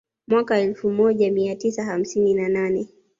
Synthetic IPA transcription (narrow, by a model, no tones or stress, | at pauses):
mwakaɛlfumɔʄamiatisaham̩sininananɛ